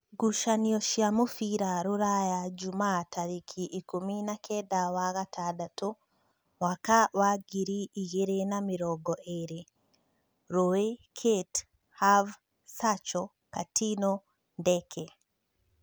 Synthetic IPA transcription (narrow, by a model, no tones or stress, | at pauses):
ɡuʃanioʃjamufiɾaɾuɾajaɟumatʰaɾikʰiʔikuminakʰedawaɣatʰadatu | wakawaɡiɾiːɣeɾenamiɾɔɡɔʔeɾe | ɾowekʰet | hav | sat͡ʃɔ | katino | ndekʰe